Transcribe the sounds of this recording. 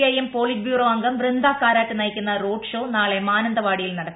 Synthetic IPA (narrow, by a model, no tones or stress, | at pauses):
ɐjempoːɭibʱjuːroːɐŋɡɐmʋrind̪aːkːaːɾaːʈːɨnɐjkʲːunːɐroːɖʂo̞ːnaːɭe̞maːnɐnd̪ɐʋaːɽijilnɐɽɐkː